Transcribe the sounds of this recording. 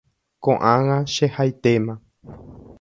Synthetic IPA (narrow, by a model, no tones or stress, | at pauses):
kõʔãŋãʃehajt̪emã